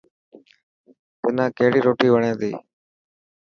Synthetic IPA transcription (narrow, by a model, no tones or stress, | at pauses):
t̪ɪnãːkəɦɪɽiːɾoːʈiːʋəɳẽːd̪ḭː